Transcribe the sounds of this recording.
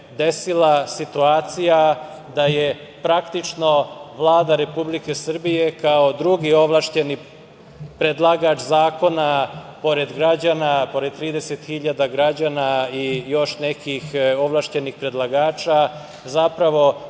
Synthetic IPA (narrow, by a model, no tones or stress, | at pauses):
d̪e̞silasit̪uaːt̪sija | d̪aje̞pɾakt̪it͡ʃno̞ʋlˠaːd̪aɾe̞publike̞sr̩bije̞kao̞d̪ɾuɡio̞ʋlˠaʃt͡ɕe̞ni | pɾed̪lˠaɡat͡ʃzaːko̞napo̞ɾe̞d̪ɡɾad͡ʑanapo̞ɾe̞d̪̚t̪ɾiːd̪eset̪xiʎad̪aɡɾad͡ʑaːnaijo̞ʃnekixo̞ʋlˠaʃt͡ɕe̞nixpɾe̞d̪lˠaɡaːt͡ʃa | zapɾaʋo̞